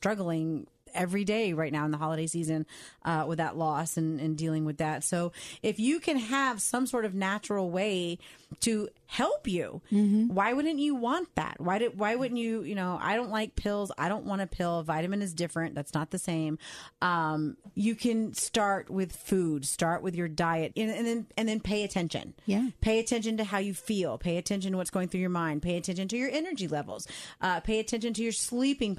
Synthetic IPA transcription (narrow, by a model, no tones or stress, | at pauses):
stɹ̥ʌɡl̩ˠɪ̃ŋ | ɛvɹideɪɹaɪtⁿnaʊə̃nðəɦɑlˠəɾeɪsizɨ̃nʔʌwɨðə̰ʔˡlɔsɨ̃nɨ̃ndilˠɪ̃ŋwɨðætsoʊɪfjɨkʰɨ̃nəv̥sʌ̃msɔɹɾʌvnæt͡ʃɹl̩ˠweɪɾɨ | hɛlˠpjʉ̰waɪwʊdⁿn̩t͡ʃɨwɑ̃nðæ̰t̚waɪɾɨwaɪwʊdⁿn̩t͡ʃɨjɨnoʊʔa̰ɪɾõʊ̃nʔlaɪk̚pʰɪlˠza̰ɪɾõʊ̃nʔwɑ̃ñɨpʰɪlˠvaɪɾɨmɨ̃nɨzdɪfɹɨ̃nðætsnət̪̚ðɨsẽɪ̃mʔʌ̃mjɨkʰɨ̃nstɑɹʔ̚wɪð̥fud̥stɑɹʔwʔɨðjə˞daɪɨt̚ɨ̃nɨ̃nðɨ̃nɨ̃nðɨ̃npʰeɪɨtʰɛ̃nʃɨ̰̃njpʰeɪɨtʰɛ̃nʃɨ̃ntɨɦaʊjɨfilˠpʰeɪɨtʰɛ̃nʃn̩təwʌtsɡ̥oʊɪ̃ŋθɹʉjə˞mãɪ̃nd̚pʰeɪɨtʰɛ̃nʃɨ̃ntɨjə˞ɛnə˞d͡ʒilɛvl̩ˠz̥ʔʌpʰeɪɨtʰɛ̃nʃɨ̃ntʰɨjə˞slipɪ̃ŋ